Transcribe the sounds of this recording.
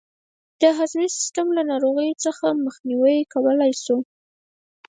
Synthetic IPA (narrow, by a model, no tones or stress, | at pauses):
d̪̥əɦazmisɪ̥st̪amlanɑɾoɣəjot͡səxaməxniwəjkawəlajsu